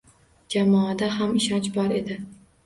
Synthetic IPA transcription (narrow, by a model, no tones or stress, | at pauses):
d͡ʒamɒad̪aɦamɪʃɒnt͡ʃbɒɾe̞d̪ɪ